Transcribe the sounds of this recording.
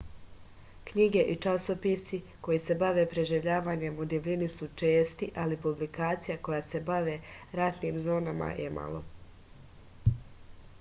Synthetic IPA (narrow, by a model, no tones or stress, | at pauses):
kɲiɡe̞ʔit͡ʃaso̞pisi | ko̞jise̞baʋe̞pɾe̞ʒiʋʎaːʋaːɲe̞mud̪iʋʎʲinisut͡ʃe̞ːst̪iʔalipublikaːt̪sijako̞jase̞baʋe̞ɾat̪niːmzo̞ːnama̰jʔemʔa̰lˠo̞̰